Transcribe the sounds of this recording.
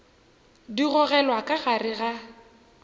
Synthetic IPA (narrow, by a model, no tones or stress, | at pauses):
diɣʊɣɛlwakʼaɣarɪɣa